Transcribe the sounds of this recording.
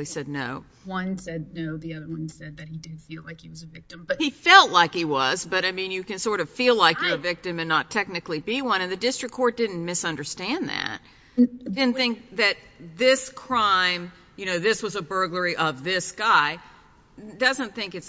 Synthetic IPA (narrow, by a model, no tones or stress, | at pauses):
isɛdⁿnoʊ | wʌ̃nsɛd̚ⁿnoʊðiʌðə˞wʌ̃nsɛd̪̚ðɨt̚hidɨd̥filaɪkhiwʌzɨvɪk̚tɨ̃mbʌt̚hifɛlˠtˡlaɪkhiwʌzbʌɾaɪmĩnjɨkɨ̃nsɔɹɾʌv̥filaɪkjə˞ɨvɪk̚tɨ̃mɨ̃nːətʰɛk̚nɨklibiwʌ̃ñɨ̃nðɨdɪstɹ̥ɨkʰːɔɹt̚d̥ɪdⁿn̩mɪsʌ̃ndə˞stæ̃nðæ̰t̚ | dɪdⁿn̩θɪ̃ŋk̚ðɨt̪̚ðɪskʰɹ̥ãɪ̃m | jɨñoʊðɪswʌzəbɜ˞ɡlə˞iʔʌvðɪsɡ̥aɪ | d̥ʌzə̃nθɪ̃ŋkɨts